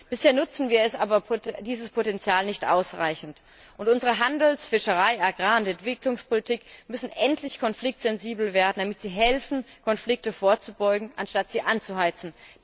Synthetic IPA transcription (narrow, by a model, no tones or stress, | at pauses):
b̥ɪsheːɐnʊt͡sn̩viːɐɛsʔaːbɐpʰodiːzəspʰotɛnt͡sjaːlnɪçtʔa̰ʊsʁa̰ɪçn̩t | ʔʊntʔʊnzəʁ̞əɦandl̩sfɪʃəʁ̞aɪʔaɡʁaːʊntɛntv̥ɪklʊŋspʰolitʰiːkmʏsn̩ʔɛntʰlɪçkʰɔnflɪk̚tz̥ɛnziːbl̩veːɐdn̩damɪtz̥iːɦɛlfn̩kʰɔnflɪk̚təfoːɐt͡subɔʏɡŋ̩ʔanʃtatz̥iːʔant͡suhaɪt͡sn̩